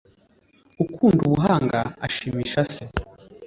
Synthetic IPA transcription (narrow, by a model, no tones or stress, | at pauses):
ukʰuːnduβuɦaːŋɡa̰ːʃiːmiːʃase